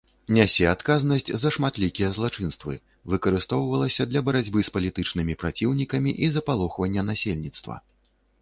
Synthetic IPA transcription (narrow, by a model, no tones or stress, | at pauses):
nʲasʲɛat̪kaznɐsʲt͡sʲzɐʂmat̪lʲikʲijɐzlˠat͡ʂɨnst̪vɨ̰ | vɨkɐɾɨst̪ɔwvɐlˠɐsʲɐd̪lʲɐbɐɾad͡zʲbɨspɐlʲit̪ɨt͡ʂnɨmʲipɾat͡sʲiwnʲikɐmʲiʔizɐpalˠɔxvɐnʲːɐnasʲelʲnʲit̪st̪vɐ̰